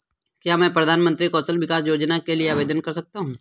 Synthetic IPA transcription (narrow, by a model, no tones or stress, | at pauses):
kjaːmɛ̃ːpɾɐd̪ʱaːnmə̃nt̪ɾikɔːsəlʋɪkaːsjoːd͡ʒnakelieaːʋeːd̪ənkɐɾsɐk̚t̪aɦũː